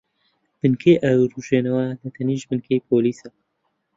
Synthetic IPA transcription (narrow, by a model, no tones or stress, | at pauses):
b̥ɨnkʰeːʔɐwruːʒeːnɐwɐd̪ɐt̪ʰɐniːʒbɨnkʰeːjpʰoːliːsɐ